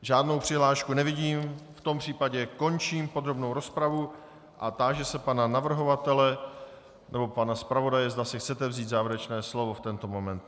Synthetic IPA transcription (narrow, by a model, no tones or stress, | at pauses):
ʒaːdno̞wpr̥ɪɦlaːʃkunɛvɪɟiːmft̪o̞mpr̝̥iːpaɟɛko̞nt͡ʃiːmpo̞d̪ɾobno̞wɾo̞spɾavu | ʔat̪aːʒɛsɛpananavr̩ɦo̞vat̪ɛlɛ | nɛbo̞panaspɾavo̞dajɛzd̪asɪxt͡sɛt̪ɛvziːd̪zaːvɛɾɛt͡ʃnɛːslo̞vo̞ft̪ɛnt̪o̞mo̞mɛnt̪̚